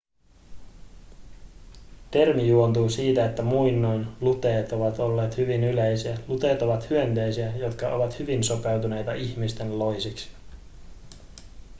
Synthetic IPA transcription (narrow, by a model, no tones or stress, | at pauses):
t̪e̞rmijuont̪uːsiːt̪æet̪ːæmujnːojnlut̪e̞ːt̪o̞ʋɑt̪o̞lːe̞ːt̪hyʋinylejsiælut̪e̞ːt̪o̞ʋɑt̪hyønt̪e̞jsiæjo̞t̪kɑʔo̞̰ʋɑt̪hyʋinso̞pe̞wt̪une̞jt̪ɑʔiçmist̪e̞nlo̞jsiksi̥